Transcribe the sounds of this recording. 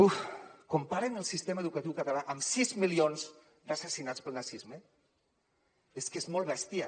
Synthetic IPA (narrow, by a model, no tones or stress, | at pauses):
ukumpaɾenəlˠsist̪eməeðukət̪iwkət̪alaʔəmsizmilionz | dasəsinat͡spəlˠnasizmə | eskezmɔlˠβɛst̪ia